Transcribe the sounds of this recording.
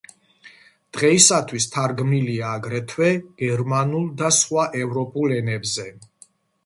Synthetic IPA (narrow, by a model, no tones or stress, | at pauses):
d̪̥ʁɛisat̪ʰwist̪ʰaɾɡmiliaːɡɾɛt̪ʰwɛɡ̥ɛɾmanulˠd̪asχwaʔɛvɾɔpʼulɛnɛbzɛ